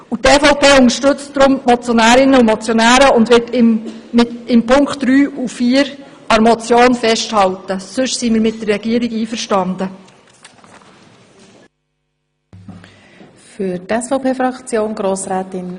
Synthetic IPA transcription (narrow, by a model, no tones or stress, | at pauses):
utɛfɔʊpʰeːʊnəʃtɵt͡std̥ɾʊmmɔt͡sjonæːɾɪnəumɑt͡sjonæːɾəʊndʋɪtɪmmɪtɪmpʰʊŋkχtd̥ɾyːufiːəɾɑɾmɔt͡sjoːnfɛʃthɑltəsɵʃsimiːɾmɪt̚d̥ərːɛɡ̥iːəɾɪɡiːfəɾʃtɑndə | fytɛsfɔʊpʰeːfɾɑkt͡sjoːnɡɾoːsɾɛːtɪn